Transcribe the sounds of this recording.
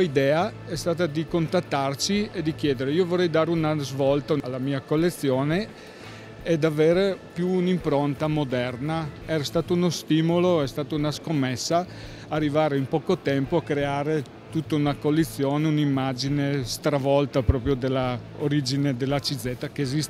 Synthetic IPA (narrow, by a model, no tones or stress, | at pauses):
id̪ɛːaɛst̪aːt̪ad̪ikont̪at̪ːart͡ʃied̪ik̟jɛːd̪eɾeiːovorːɛjd̪aːɾeunazvɔlt̪alːamiːakolːet̪sːjoːne | ed̪aveːɾepjuːnimpɾont̪amod̪ɛrnaɛːɾast̪aːt̪ounost̪iːmoloɛst̪aːt̪ounaskomːesːaː | rːivaːɾeimpɔːkot̪ɛmpoakːɾeaːɾe | t̪ut̪ːaunakolːet̪sːjoːneunimːad͡ʒinest̪ɾavɔlt̪apɾɔːpɾjod̪elːaoɾid͡ʒined̪elːat͡ʃid̪zɛt̪ːakeːzist̪e